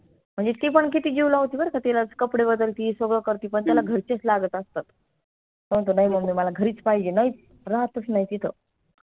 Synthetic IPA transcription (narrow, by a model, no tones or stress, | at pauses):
m̤əɳd͡zet̪iːpəɳkit̪iːd͡ʑiwlaɦot̪iːbəɾkat̪ilat͡skəpɽebəd̪əlt̪iːsʋəɡɭəkəɾt̪iːpəɳt̪jalaɡʱəɾt͡ɕet͡slaɡət̪əst̪at̪ | sənt̪̬onaim̤əɡmiːməlaɡʱəɾiːt͡spaɦid͡ʑenai | ɾaɦt̪əsnait̪it̪ʰə